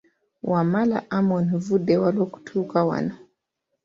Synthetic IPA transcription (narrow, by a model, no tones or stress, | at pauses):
wamala̰ʔamɔnvudɛwalɔku̥tʰuukawa̰na